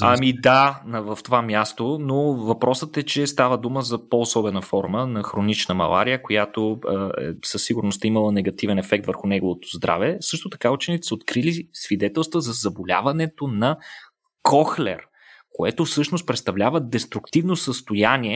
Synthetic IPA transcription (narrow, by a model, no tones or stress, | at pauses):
amid̪anɐvəft̪ovamʲjast̪onovɐpɾɔsət̪ɛt͡ʃɛst̪avəd̪uməzɐpoːsɔbɛnəfɔɾmənɐxɾonit͡ʃnəmɐ̰lˠa̰ɾijəkojat̪oɛ̰səsːiɡʊɾnost̪əiməlˠənɛɡɐt̪ivɛnɛfɛk̚t̪vəɾxunɛɡovot̪o̥zd̪ɾʔa̰vɛsɤʃt̪ot̪ɐ̥kaut͡ʃɛnit̪ɛ̥səot̪kɾilisvid̪ɛt̪ɛlˠst̪vəzɐzɐbolʲa̰vɐnɛt̪onɐ | kʰɔxlɛ̰ɾ | koɛt̪ofsɤʃnost̪̚pɾɛt̪st̪ɐvlʲavəd̪ɛst̪ɾʊkt̪ivnosəst̪ojaniɛ